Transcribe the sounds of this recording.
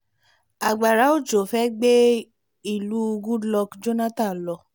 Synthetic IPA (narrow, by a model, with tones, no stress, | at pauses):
a˨ɡ͡ba˨ɾa˨˦o˦˨d͡ʒo˨fɛ˦ɡ͡be˦ | i˦˨lu˨˦u˧ɡũ˦lɔ˧kd͡ʒo˦nã˦tã˦˨lɔ˧